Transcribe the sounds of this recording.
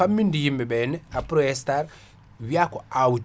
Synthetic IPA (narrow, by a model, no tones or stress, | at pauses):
amindijimɛbɛnɛapɾɔɛstaɾ | βjakɔawu